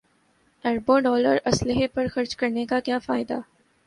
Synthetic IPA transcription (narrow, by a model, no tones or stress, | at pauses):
ɐɾboɖɔːləɾɐslɪɦepɐɾxɐɾt͡ʃkɐɾnekakjaːfaːɪd̪a̰ː